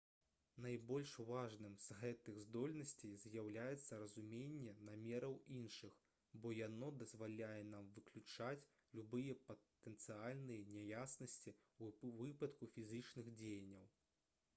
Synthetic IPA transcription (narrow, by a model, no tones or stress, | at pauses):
najbɔlʲʂvaʐnɨmz̥ɣɛt̪ɨɣzd̪ɔlʲnɐsʲt͡sʲejzjawlʲajɛt̪sːɐɾɐzumʲenʲːɛnamʲɛɾɐwinʂɨx | bɔjanɔd̪ɐzvalʲajɛnamvɨklʲut͡ʂat͡sʲ | lʲubɨjɛpɐt̪ɛnt̪sɨalʲnɨjɐnʲɛjasnɐsʲt͡sʲivɨpɐt̪kufʲizɨt͡ʂnɨɣd͡zʲejɐnʲːɐw